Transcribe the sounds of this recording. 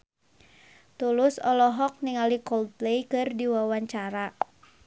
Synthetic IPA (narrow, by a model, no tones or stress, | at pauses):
t̪ulʊsɔlɔɦɔk̚niŋalikɔld̪̚plejkɨrdiwawaɲt͡ʃaɾa